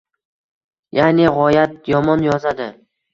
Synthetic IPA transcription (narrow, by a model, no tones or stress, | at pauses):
janɪʁɒjat̪̚jɒmɒnjɒzad̪ɪ